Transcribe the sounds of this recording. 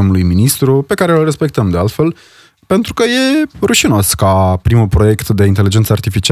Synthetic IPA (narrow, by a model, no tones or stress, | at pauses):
omulujminist̪ɾupe̞kaɾeəlre̞spe̞k̚t̪əmd̪ealt̪fe̞l | pe̞nt̪ɾukəje̞ruʃino̞skapɾimulpɾo̞je̞kt̪d̪e̞int̪e̞lid͡ʒensəart̪ifit͡ʃi